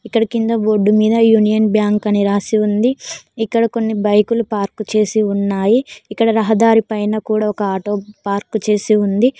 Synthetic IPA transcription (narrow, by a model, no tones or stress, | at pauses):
ikːɐɽɐkind̪ɐbo̞ːɖːumiːd̪ɐjuːnijɐnbjaːŋkɐniɾaːsiund̪iikːɐɽɐko̞nːibɐjkulupaːɾkut͡ʃe̞ːsiunːaːjiːkːɐɽɐɾɐɦɐd̪aːɾipɐjnɐkuːɽaːɔkɐaːʈo̞ːpaːɾkut͡ʃe̞ːsiund̪i